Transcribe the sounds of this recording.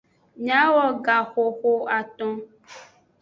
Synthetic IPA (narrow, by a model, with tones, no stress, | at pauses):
ɲã˨˦wɔ˦ɡa˨xo˨xo˦a˨t̪ɔ̃˦